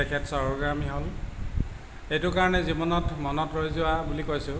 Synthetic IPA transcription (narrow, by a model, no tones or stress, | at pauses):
ɛkʰɛtsɔoɡɹamiɦol | ejtʊkaɹɔnɛzibɔnɔtmɔnɔtɹojzʊwabulikojsʊ̃